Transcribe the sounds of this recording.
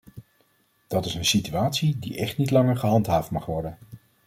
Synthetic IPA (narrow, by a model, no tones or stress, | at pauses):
d̥ɑtɪsənsityaːtsidiʔɛχtnitlɑŋəɹχəɦɑntɦaːftmɑχʋɔɹdən